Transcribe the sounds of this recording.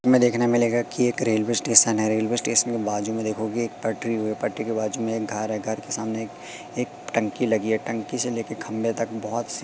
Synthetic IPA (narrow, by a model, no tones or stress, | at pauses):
mẽd̪eːkʰnemɪleːɡakieːkɾeːlʋesʈeːʃənɦɛɾeːlʋeːsʈeːʃənkebaːd͡ʒumẽd̪eːkʰoɡieːk̚pɐʈɾiɦoɛpɐʈɾikebaːd͡ʒumẽeːk̚ɡʱɐɾɦɛɡʱɐɾkesaːmneːk | eːkʈɐ̃ŋkilɐɡiɛʈɐ̃ŋkiseleːkekʰɐ̃mbet̪ɐk̚bɔɦɔt̪s